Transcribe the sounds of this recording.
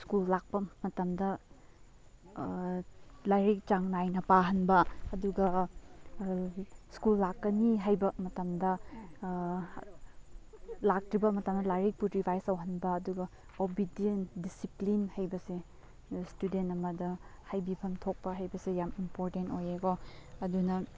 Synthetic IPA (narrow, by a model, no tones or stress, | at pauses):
skulːak̚pɐmɐtɐmdɐ | lajɾik̚t͡ʃaŋnajnɐpaɦɐnbɐːduɡɐ | skulːakːɐniɦajbɐmɐtɐmdɐ | lak̚tɾibɐmɐtɐmdɐlajɾik̚puɾibʰʱajsɐwɦɐnbɐːduɡɐ | obidiendisiplinhɐjbɐse | studentɐmɐdɐhajbipʰɐmtʰok̚pɐɦɐjbɐsejamimpoɾtentojeɡoɐdunɐ